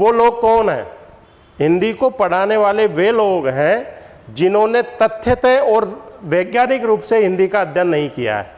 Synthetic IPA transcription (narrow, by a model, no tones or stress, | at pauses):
ʋoloːɡ̚kɔːnɦɛ̰̃ː | ɦɪ̃nd̪ikopɐɽ̤aːneʋaːleʋeloːɡɦɛ̃ | d͡ʒɪnɦõnet̪ɐt̪ʰːjət̪eɔːɾʋeːɡjaːɾɪkɾuːpseɦɪ̃nd̪ikaɐd̪ʱjənːɐɦĩkija̰ɦɛ̰ː